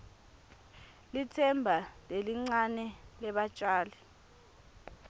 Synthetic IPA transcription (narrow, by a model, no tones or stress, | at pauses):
litʰɛmbʱaleliŋ͡ǀanɛlɛɓat͡ʃʼaːlɛ